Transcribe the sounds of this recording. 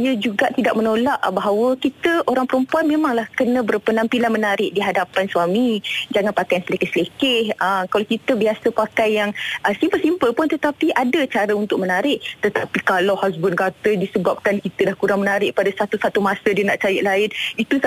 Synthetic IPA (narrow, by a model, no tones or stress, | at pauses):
iəd͡ʒuɡaʔt̪idaʔmənolaʔbaɦawəkit̪əʔoɾaŋpəɾəmpuanmẽmaŋlahkənə̃bərpənampilanmənaɾɪʔ̚diɦadapansuwamid͡ʒaŋanpakajansəlekɪhsəlekɪhəmkalawkit̪əbiasəpakajːaŋəsimpəlsimpəlpʊnt̪ət̪apiʔadət͡ʃaɾəunt̪ʊk̚mənaɾɪʔt̪ət̪apikalawhasbʊnkat̪ədisəbap̚kankit̪ədahkuɾaŋmənaɾɪʔ̚padasat̪usat̪umasədiənaʔt͡ʃajəʔlaɪnit̪u